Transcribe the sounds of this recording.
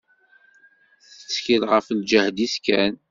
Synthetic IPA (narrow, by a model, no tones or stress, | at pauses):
θə̥t͡sːçilʁəfld͡ʒəhd̪iskæn